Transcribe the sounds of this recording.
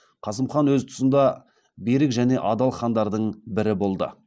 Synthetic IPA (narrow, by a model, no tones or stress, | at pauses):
qʰɑsəmχɑnwɵzt̪ʰʊ̥sənd̪ɑ | beɾɪkʒæne̞ʔɑd̪ɑlˠχɑnd̪ɑɾd̪əɴbɪɾɪbo̞lˠd̪ə̰